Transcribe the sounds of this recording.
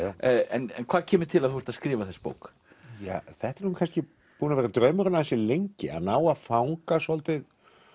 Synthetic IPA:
ɛnɛnkʰvaːðcʰɛːmɪɾt̪ʰɪlaðθuvɛɾt̪askɾiːvaθɛspo̰ːwk | ja̰ːθɛht̪ɛɾnukʰanscɪ | puːnavɛːɾat̪ɾœːɥmʏɾʏnaðɛnsɪlejɲcɪ̰a̰ðnaːwaðfawŋkasɔlt̪ɪð

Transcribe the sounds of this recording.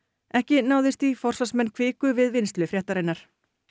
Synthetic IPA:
ɛhcɪnaːwðɪst̪ifɔr̥sasmɛnːkʰvɪːkʏvɪðvɪnst̪lʏfɾjɛht̪aɾejnːaɾ̥

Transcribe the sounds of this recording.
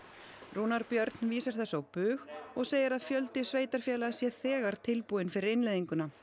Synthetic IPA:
ruːnaɾpjœɾt̪nviːsaɾ̥θɛsːawpʏːɣɔɣseːjɪɾaðfjœlt̪ɪsveːjt̪aɾ̥fjɛːlasjɛθɛːɣaɾ̥t̪ʰɪlpuːɪnfɪɾɪɾɪnlejðiŋkʏna

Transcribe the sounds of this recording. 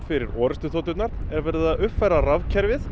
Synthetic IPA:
fɪɾɪɾɔːɾɪst̪ʏθoːt̪ʏt̪naɾɛɾvɛɾðaʏpfɛɾaravcʰɛɾvɪθ

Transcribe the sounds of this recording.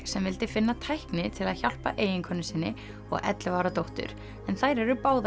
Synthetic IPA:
sɛmvɪlt̪ɪfɪnːat̪ʰajhknɪt̪ʰɪlaðçal̥pa̰ʔeːjɪŋkʰœnːɪsɪnːɪ | ɔ̰ɣɛ̰t̪lɪvaːwɾat̪owht̪ʏ̰ɾ̥ | ɛnθajɾɛɾʏpaːwð

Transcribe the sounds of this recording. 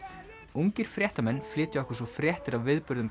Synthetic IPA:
uŋcɪɾ̥fɾjɛht̪amɛnːflɪːt̪ɪɛhkʏ̥ɾ̥svɔfɾjɛht̪ɪɾawvɪðpʏɾðʏm

